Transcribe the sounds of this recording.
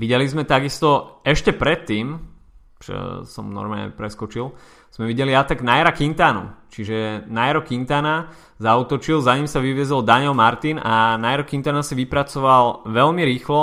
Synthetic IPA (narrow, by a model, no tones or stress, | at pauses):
ʋiɟɛlizmɛt̪aɡist̪ɔɛʃcɛpɾɛt̪ːiːm | t͡ʃɔ̰sɔ̰mnɔ̰ɾmaːɲɛ̰pɾɛskɔt͡ʃil | z̥mɛʋiɟɛliat̪aɡnajaɾakint̪aːnṵt͡ʃiʒɛnajaɾɔkint̪aːna | zauːt̪ɔt͡ʃilzaɲimsaʋiʋɪɛzɔld̪aɲɛlmaɾt̪inanajaɾɔkint̪anasiʋipɾat͡sɔʋalʋɛlmiɾiːxlɔ